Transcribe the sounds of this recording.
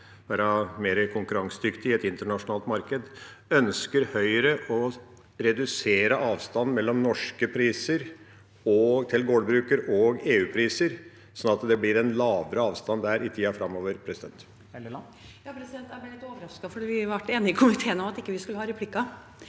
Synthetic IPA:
bæːɾɑmeːɾəkʰʊŋkʉɾɑŋsəd̪ʏkt̪ɪɛt̪ɪnt̪əɳɑʂʊnɑːlt̪mɑɾkəd̪ | œnskəɾhœʏɾəʔɔ | ɾɛd̪ʉseːɾəʔɑːʋst̪ɑnmɛlːɔmnɔʂkəpʰɾiːsəɾ | ɔt̪ʰɪlɡoːɖ̪bɾʉːkəɾɔɡeːʉːpʰɾiːsəɾ | sɔnɑt̪d̪ɛblɪɾɛnlɑːʋəɾəɑːʋst̪ɑnd̪æːɾɪt̪ʰiːɑfɾɑmːoːʋəɾpʰɾɛsɪd̪ɛnt̪ | jɑːpʰɾɛsɪd̪ɛnt̪æb̪ɛlɪt̪ːoːʋəɾɑskɑfɔɖiːʋɪʋæʈːeːnɪɪkʰʊmɪt̪ʰeːənɔmɑt̪ɪkːəʋɪskʉləhɑɾɛpʰlɪkːɑ

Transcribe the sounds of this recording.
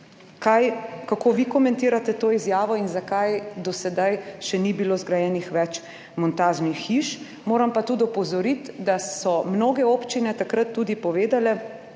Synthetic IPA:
kajkakoːʋikɔmɛ̃nt̪iːɾat̪ɛt̪oːizjaːʋɔinzakajd̪ɔsɛd̪ajʃɛnibiloːzɡɾajɛːnixʋɛt͡ʃ | mɔnt̪aːʒnixːiʃ | moːɾampat̪ud̪ɔpɔzɔɾit̪d̪assɔmnoːɡɛoːpt͡ʃinɛt̪akɾət̪ːuːd̪ipɔʋeːd̪alɛ

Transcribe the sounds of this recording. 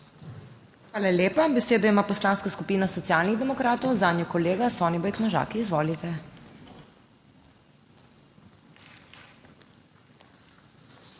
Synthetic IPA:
xʋaːlalʲjeːpabɛseːd̪ɔimaːpɔslaːnskaskupiːnasɔt̪ijaːlniɣd̪ɛmɔkɾaːt̪ɔwzaːd̪njɔkɔleːɡasɔːnibɔjknɔʒa̰ːkiːzʋɔːlit̪ɛ

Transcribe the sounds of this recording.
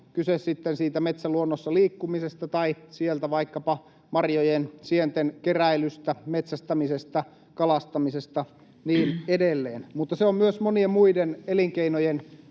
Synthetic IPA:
kysessit̪ːensiːt̪æmet̪sæluonːosːɑliːkːumisest̪ɑt̪ɑisielt̪æʋɑikːɑpɑ | mɑrjojensient̪enkeræilyst̪æmet̪sæst̪ɑmisest̪ɑ | kɑlɑst̪ɑmisest̪ɑ | niːnedelːeːnmut̪ːɑseommyøsmoniemmuideneliŋkeinojen

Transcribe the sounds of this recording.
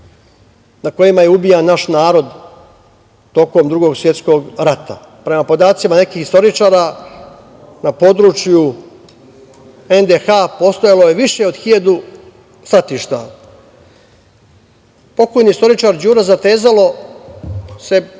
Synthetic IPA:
nako̞jimajeubijanːaʃnaːɾo̞d̪ | t̪o̞ko̞md̪ɾuɡo̞ɡsʋje̞t̪sko̞ɡɾat̪a̰ | pɾe̞mapo̞d̪aːt̪simane̞kixist̪o̞ɾit͡ʂaːɾa | napo̞d̪ɾuːt͡ʃju | e̞nd̪exapo̞st̪ojaloje̞ʋiʃe̞o̞d̪xiʎad̪u | sɾat̪iːʃt̪a̰ | po̞kojnist̪o̞ɾit͡ʃaɾd͡ʑuːɾazat̪e̞ːzalo̞ | se̞

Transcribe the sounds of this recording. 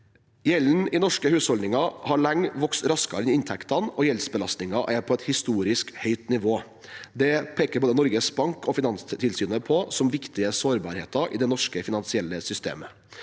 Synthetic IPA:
jɛln̩ɪnɔʂkəhʉːshɔld̪ɪŋɑhɑɭɑŋʋɔksɾɑskɑ̰ɾɛnɪnt̪ʰɛkt̪ɑnɔjɛlsbəlɑst̪nɪŋɑʔæɾpʰɔɛt̪hɪst̪uːɾɪskhœʏt̪nɪʋoː | d̪ɛpʰeːkəɾboːd̪ənɔɾɡəsbɑŋkɔfɪnɑnst̪ʰɪlsyːnəpʰɔsɔmʋɪkt̪ɪəsoːɾbɑ̰ːɾhḛːt̪ɑʔɪ̰ːd̪ɛnɔʂkəfɪnɑnsɪɛlːəsʏst̪ḛːmə

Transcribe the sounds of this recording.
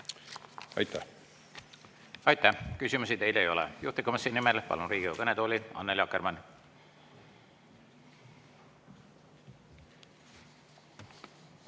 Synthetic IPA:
ɑ̰jt̪ːæ | ɑjt̪ːˑæhkysʲimus̬it̪e̞jlejo̞lɛ̰juht̪ikːomɑsːiːnːimelpɑ̰lunriːɡ̥iokɤned̪oːlʲiɑ̰nːelʲjɑkːermɑnʲ

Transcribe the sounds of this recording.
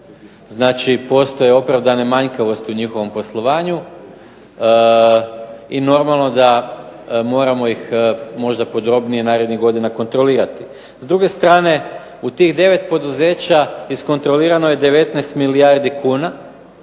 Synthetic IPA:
znaːt͡ʃipo̞st̪o̞je̞o̞pɾaʋd̪ane̞maɲkaʋo̞st̪iuɲixo̞ʋo̞mpo̞slˠo̞ʋaːɲu | ino̞ɾmalˠno̞d̪a | mo̞ːɾamo̞jixmo̞ʒd̪apo̞d̪ɾo̞bnienaːɾed̪niɣɡo̞d̪inako̞nt̪ɾo̞liːɾat̪i̥ | zd̪ɾuɡe̞st̪ɾaːne̞ | ut̪iːɣd̪e̞ʋe̞t̪po̞d̪uze̞ːt͡ɕaisko̞nt̪ɾo̞liːɾano̞je̞d̪e̞ʋe̞t̪nɛst̪milijaɾd̪ikuːna

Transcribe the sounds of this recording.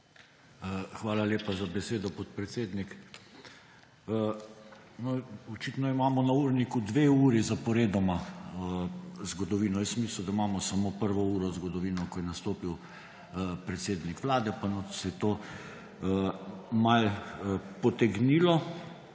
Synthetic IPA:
xʋaːlaleːpazabɛseːd̪ɔpɔt̪̚pɾɛt̪seːd̪nik | nɔɔt͡ʃiːt̪nɔimaːmɔnauɾnikud̪ʋeuːɾizapɔɾeːd̪ɔma | zɡɔd̪ɔʋiːnɔjɛsmislwd̪aimaːmɔsamopəɾʋɔuːɾɔzɡɔd̪ɔʋiːnɔkɔjɛnast̪oːpiw | pɾɛt̪seːd̪nikʋlaːd̪ɛpanɔsɛjɛt̪oː | mal | pɔt̪ɛɡniːlɔ

